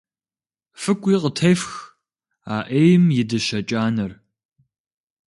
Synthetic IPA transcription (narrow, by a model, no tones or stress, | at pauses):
fɨkʷʼiːqətʰɐjfx | a̰ːʔeːjmjɪdɨɕɐt͡ʃʼaːnɐr